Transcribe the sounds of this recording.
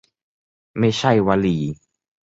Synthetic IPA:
meʃajwalii

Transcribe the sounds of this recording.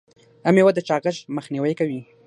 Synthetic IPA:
amewad̪ət͡ʃɑɣəʒməxniwəjkawi

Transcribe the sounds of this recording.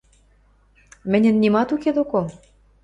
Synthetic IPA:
mɘ̆nʲɘ̆nːimɑt̪uked̪oko

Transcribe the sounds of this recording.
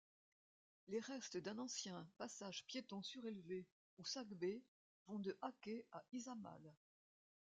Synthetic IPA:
leʁɛst̪d̪ɛ̃nɑ̃sjɛ̃pasaʒpjet̪ɔ̃syʁelve | usakbe | vɔ̃d̪əʔakeaizama̰l

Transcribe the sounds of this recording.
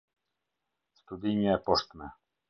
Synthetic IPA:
st̪ud̪iɲɛpɔʂt̪mɛ

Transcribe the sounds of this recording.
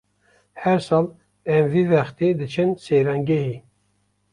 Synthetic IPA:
hɛɾsɑːl | ɛmviːvɛxt̪ed̪ɨt͡ʃʰɨnseɾɑŋɡehi

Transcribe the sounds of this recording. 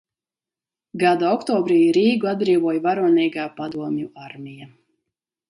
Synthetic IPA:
ɡad̪aɔkt̪ɔːbɾiːɾiːɡuad̪̚bɾiːvuɔjvaɾuɔnɛːɡaːpad̪uɔmʲjuaɾmʲija

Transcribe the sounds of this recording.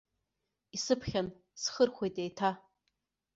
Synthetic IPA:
isɨpʰχʲan | sχərχʷejtʼejtʰa

